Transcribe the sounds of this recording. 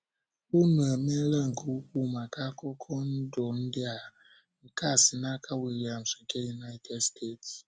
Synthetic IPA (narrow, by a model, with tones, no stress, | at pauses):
u˦nu˨ɛ˨me˦la˦˨ŋ̩˨ku˨u˦ku˦˨ma˨ka˦kɔ˦kʰɔ˦n̩˦dɔ˨n̩˦dɪ˦a˨ | ŋ̩˨ka˦˨si˨na˦kʰa˦we˨ɾa˨m̩˨si˨ke˦ju˨na˦tʰɛ˦dstʰe˦˨ts